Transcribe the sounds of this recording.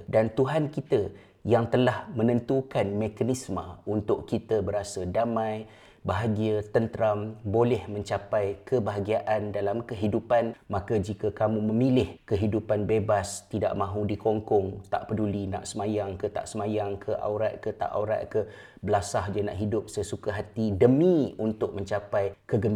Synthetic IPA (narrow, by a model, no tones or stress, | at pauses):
dant̪uɦankit̪ə | jaŋt̪əlahmə̃nə̃nt̪ukanmekanismə̃unt̪ʊʔkit̪əbəɾasadamãj | baɦaɡiat̪ənt̪əɾambolɛhmə̃ɲt͡ʃapajkʰəbaɦaɡiaʔandalamkəɦidupanmãkəd͡ʒikəkamũməmilɪhkəɦidupanbebast̪ida̰ʔmãɦudikoŋkɔŋt̪a̰ʔpədulina̰ʔsəmajaŋkət̪a̰ʔsəmajaŋkʰəʔa̰ɾa̰t̪̚kət̪a̰ʔa̰uɾa̰t̪̚kə | bəlasahd͡ʒana̰ʔɦidʊp̚səsukaɦat̪idəmĩunt̪ʊk̚mə̃ɲt͡ʃapajkəɡəm